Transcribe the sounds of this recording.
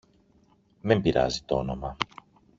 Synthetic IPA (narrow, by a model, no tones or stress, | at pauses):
membiɾɐ̰zit̪oo̰no̞mɐ